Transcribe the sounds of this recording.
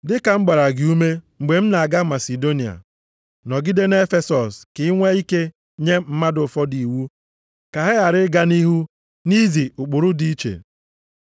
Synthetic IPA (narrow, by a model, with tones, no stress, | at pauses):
dɪ˦ka˨ŋ͡m̩˦ɡ͡ba˨ɾa˨ɡɪ˨u˦me˦ŋ͡m̩˨ɡ͡be˨m̩˦na˨a˨ɡa˦ma˨si˨do˦ni˨a̰˨ | nɔ˨ɡɪ˦de˦n˦e˦fe˦sɔ˨skɪ˨˦ŋʷe˦i˦ke˦ | ɲe˦m̩˦ma˦dʊ˨fɔ˦di˨wu˦ | ka˨ɦɪ˦ɣa˨ɾɪ˦ɡa˦ni˦ɦu˦ | ni˦zi˨ʊ˨k͡pʊ˨ɾʊ˦di˦i˦t͡ʃḛ˨